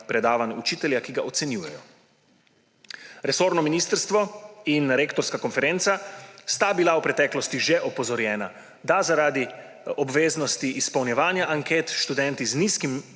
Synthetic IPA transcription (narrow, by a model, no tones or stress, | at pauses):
pɾɛd̪aːʋanut͡ʃiːt̪ɛljakiɡaɔt̪sɛnjuːjɛjɔ | ɾɛsoːɾnɔminist̪əɾst̪ʋɔinɾeːkt̪ɔɾskakɔnfɛɾent̪sast̪abilawpɾɛt̪ɛːklɔst̪iʒɛʔɔpɔzɔɾjɛːna | d̪azaɾaːd̪i | ɔbʋeːznɔst̪iʔispɐwnjɛʋaːnjaʔaŋkeːt̪ʃt̪ud̪ɛnt̪izniskim